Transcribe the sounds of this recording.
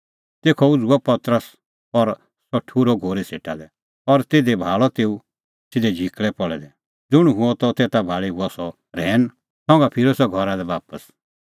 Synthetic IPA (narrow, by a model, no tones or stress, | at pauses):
t̪eːkʰɔʊd͡zuɔpɐt̪ɾəs | ɔɾ | sɔʈʰuːɾɔɡʱoːɾeseːʈad̪ɛ | ɔɾt̪eːd̪ebʱaːɭɔt̪eːu | sɪd̪ɛd͡ʒʱikɭɛpɔɭɛ̰d̪ɛ | d͡zʊɽ̃uɦʊɔ̃t̪ɔt̪eːt̪abʱaːɭiɦuɔsɔ | ɾɛːn | sɔ̃ŋɡapʰɪɾosɔɡʱɔɾad̪ɛbaːpəs